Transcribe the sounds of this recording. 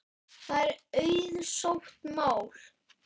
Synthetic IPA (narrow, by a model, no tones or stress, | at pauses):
θaɛɾœːɥðsowht̪maːwl̥